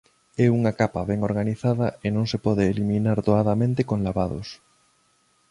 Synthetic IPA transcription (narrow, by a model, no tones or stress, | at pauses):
ɛuŋakapɐβɛŋoɾɣaniθaðɐenõŋsepɔðeːlimĩnaɾðoaðamẽnt̪ekoŋlaβaðo̰s